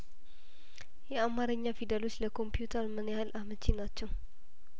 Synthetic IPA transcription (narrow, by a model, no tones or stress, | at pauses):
jɛamaɾəɲːafid̪alo̞t͡ʃːləkʰo̞mpjut̪ʰəɾmɨnjahɨlʔamət͡ʃːenat͡ʃːɛw